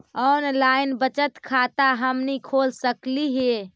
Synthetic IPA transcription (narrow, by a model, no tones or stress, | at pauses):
ɔnlainbət͡ʃət̪kʰat̪aɦəmnikʰolsəkliɦe